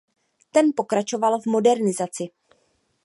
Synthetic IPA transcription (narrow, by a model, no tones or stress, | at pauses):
t̪ɛnpo̞kɾat͡ʃo̞valvmo̞dɛɾnɪzat͡sɪ